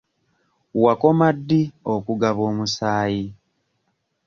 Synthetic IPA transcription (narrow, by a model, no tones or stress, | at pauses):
wako̞madːiokuɡaβo̞ːmusaːji